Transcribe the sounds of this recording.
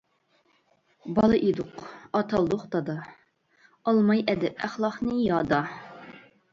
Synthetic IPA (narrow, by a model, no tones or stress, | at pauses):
bɑlˠɨʔid̪uqɑt̪ʰɑlˠd̪ʊqd̪ɑd̪ɑ | ɑlˠmɑjʔɛd̪ɛpæχlˠɑχnɨjɑd̪ɑ